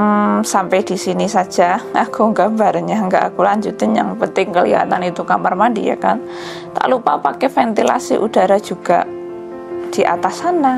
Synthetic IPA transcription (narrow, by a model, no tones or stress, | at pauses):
sampɛd̥isinisḁd͡ʒ̥aʔakʰuŋɡaʔmbaɾɲaəŋɡaʔakulaɲd͡ʒut̪ɪnja̰ŋpənt̪ɪŋkəlḭɦa̰t̪anit̪ukamarmandḭja̰kan | t̪a̰ʔlupapakɛfɛnt̪ila̰sḭʔud̥aɾad͡ʒuɡ̥a̰ʔ | d̥iʔa̰t̪asana